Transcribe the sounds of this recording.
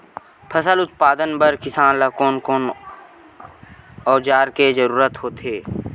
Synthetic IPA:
pʰəsəlʊt̪̚paːd̪ənbəɾkɪsaːnlɐkoːnkoːn | ɔːd͡ʒaːɾked͡ʒəɾuːɾət̪ɦoːt̪eː

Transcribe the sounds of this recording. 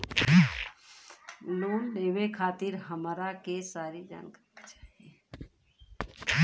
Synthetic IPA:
loːnleʋekʰaːt̪iɾɦəmaɾakesaːɾid͡ʒa̰ːnkəɾit͡ʃḁːɦie

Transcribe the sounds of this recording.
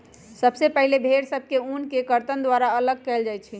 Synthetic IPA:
səbsepəɦilebʱeɾsəb̚ʱkeunkekəɾt̪ənd̪ʋaɾaələɡ̚kɛld͡ʒaj̪t͡ʃʰi

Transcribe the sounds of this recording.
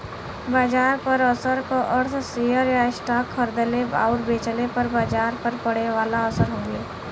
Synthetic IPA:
baːd͡ʒaːɾpəɾəsəɾkoʔəɾt̪ʰsijəɾjaɪsʈaːkʰːəɾd̪əleba̰ːʊʈbeːt͡ʃəlepəɾbaːd͡ʒaːɾpəɾpəɽeʋaːlaəsəɾɦõːɡeː

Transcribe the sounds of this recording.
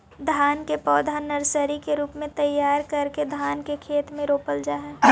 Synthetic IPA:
d̪ʱaːnkepɔːd̪ʱanɐɾsəɾikeɾuːpmẽt̪ɐjːaːɾkɐɾked̪ʱaːnkekʰeːt̪mẽɾoːpəld͡ʒaːɦɛ

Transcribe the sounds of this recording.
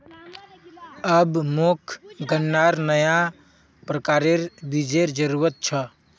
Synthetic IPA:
əbmokʰɡʱənːaɾnəja | pɾəkaɾeɾbid͡ʒeɾd͡ʒəɾuɾət̪̚t͡ʃʰə

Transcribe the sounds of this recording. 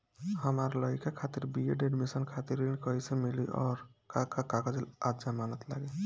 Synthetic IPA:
həmaɾləikakʰat̪iɾbieɖeɖmisənkʰat̪iɾinkəjsemiliʔɔ̰ːɾkakakakad͡ʒelad͡ʒamanət̪la̰ɡe

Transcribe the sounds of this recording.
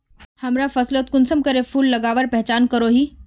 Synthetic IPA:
hɐmɾafɐsloːt̪̚kʊnsəmkəɾepʰuːlːɐɡaːʋəɾpɛɦt͡ʃaːnkəɾoɦiː

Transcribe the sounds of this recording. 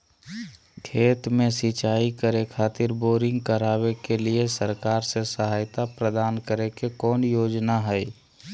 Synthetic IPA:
kʰeːt̪mẽsit͡ʃaːikəɾekʰaːt̪ɪɾboːɾɪ̃ŋɡ̚kəɾaːwekeliesəɾkaːɾsesəɦaːjt̪apɾəd̪aːnkəɾekekɔːnjoːd͡ʒnaɦɛi

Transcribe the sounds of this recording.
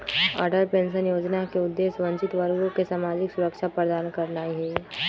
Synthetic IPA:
ɔ̰ːɾɖəɾpẽːns̬ənjoːd͡ʒnakeʊd̪ːeːsʋə̃ɲt͡ʃɪt̪ʋəɾɡõkesaːmaːd͡ʒɪksʊɾəkʃapɾəd̪aːnkəɾnaːiɦɛ

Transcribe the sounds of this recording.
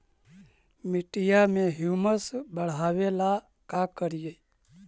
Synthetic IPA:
mɪʈijamẽɦjuməsbəɽ̤aʋela | kakəɾije

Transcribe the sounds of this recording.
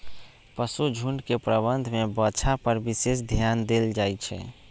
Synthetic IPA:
pəsud͡ʒʱuɳɖkepɾəbənd̪ʱmebət͡ʃʰapəɾbisesd̪ʱjand̪eld͡ʒajt͡ʃʰɛ̰

